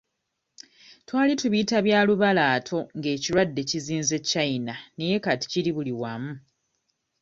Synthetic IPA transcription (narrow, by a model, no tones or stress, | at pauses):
twaːlituβiːtaβjaːluβalaːtʰo̞ŋɡe̞ːciɾwadːe̞ciziːnze̞cːainaneje̞kati̥ciɾiβuliwaːmu